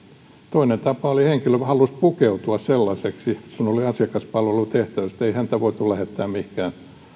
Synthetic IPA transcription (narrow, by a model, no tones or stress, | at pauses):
t̪oinent̪ɑpɑoliheŋkiløhɑlːˑuspukeut̪uɑsselːɑseksisunoliɑsiɑkɑspɑlʋelut̪eht̪æʋæst̪eihænt̪æʋoit̪ulæhet̪ːæːmmihkæːn